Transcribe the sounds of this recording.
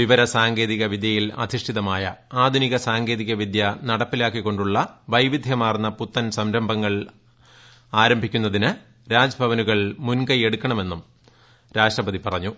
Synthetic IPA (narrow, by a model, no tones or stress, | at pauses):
ʋiʋɐɾɐsaːŋɡe̞ːðiɣɐʋid̪jɐjilɐ̰d̪ʱiʂʈʰiðɐmaːjɐ̰aːd̪ʱuniɣɐsaːŋɡe̞ːðiɣɐʋid̪jɐnɐɽɐpːilaːkːikːo̞ɳɖuɭːɐʋɐjʋid̪ʱjɐmaːrnːɐput̪ːɐnsɐmɾɐmbʱɐŋːɐɭ | aːɾɐmbʱikʲːunːɐðinɨ | ɾaːd͡ʑɐbʱɐʋɐnuɣɐɭmunɡɐje̞ɽukːɐɳɐme̞nːum | ɾaːʂʈrɐpɐðipɐrɐɲːu